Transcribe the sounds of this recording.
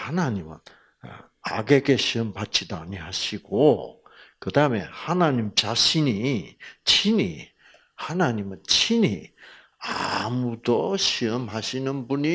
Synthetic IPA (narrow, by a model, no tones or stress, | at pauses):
hanaɲimɯ̰n̰ | a̰ɡe̞ɡe̞ɕʰiʌmpat͡ɕ͈ʰidaːɲihaɕʰiɡ̥o | kɯdaɯme̞̰hanaɲimt͡ɕaɕʰinit͡ɕʰinḭ | hanaɲimɯnt͡ɕʰinḭ | a̰mudoɕiʌmhaɕʰinɯnbuɲi